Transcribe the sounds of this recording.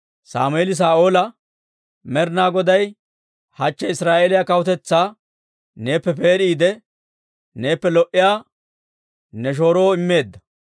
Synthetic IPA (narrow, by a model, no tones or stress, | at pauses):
sa̰ːmʊelɪs̬aːʔo̞ːlɐ | mɛɾnaːɡɔd̪ɐj | hɐt͡ʃːɛɪsɾaːʔelɪjakɐwʊt̪ɛt͡sːaː | ne̞ːpːɛpe̞ːɾiːd̪ɛ | ne̞ːpːɛlɔʔɪjaː | nɛʃ̬o̞ːɾo̞ːɪmːe̞ːd̪ːɐ